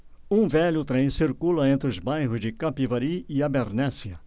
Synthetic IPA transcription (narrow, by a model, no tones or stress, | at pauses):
ũvɛʎʊt̪ɾẽj̃siɾkulɐẽnt̪ɾɪʊzbajɦʊzd͡ʒɪkapivaɾiiabeɾnɛsiɐ